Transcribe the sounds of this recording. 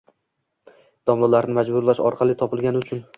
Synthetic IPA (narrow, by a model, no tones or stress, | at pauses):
d̪̥ɒmlˠalaɾnɪmad͡ʒbʊɾlaʃɒ̰ɾqʰɑlˠɪt̪ʰɒpɪlˠɡʲanɪʊt͡ʃʰʊn